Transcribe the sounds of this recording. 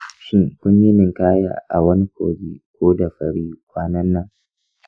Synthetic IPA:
ʃɪ˦ŋkʷʊ˦ɲji˦mɪ˨ŋkaː˦ja̰ː˦˨ʔa̰˨wɐ˦ni˦kʷo̰ː˨ɡiː˦kʷoː˦da˨ɸɐ˨ɽiː˦kʷaː˦nɐ˦nːɐ˦ŋ

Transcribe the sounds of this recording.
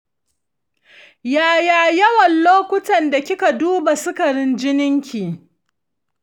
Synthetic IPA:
jaː˨jaː˨jɐ˦wɐ˨nloː˦kʷʊ˦tɐ˨nda˨kʲɪ˦ka˨duː˦ba˨sʊ˦ka˨ɽɪ˦nd͡ʒɪ˦nɪ˦ŋkʲiː˨

